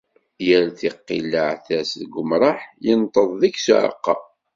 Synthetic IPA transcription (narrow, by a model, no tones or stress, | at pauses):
jæɾθiqːilːəʕθæsðɡʊmɾˤɑħjənt̪ˤəðˤðiçsṵʕə̰qːɑ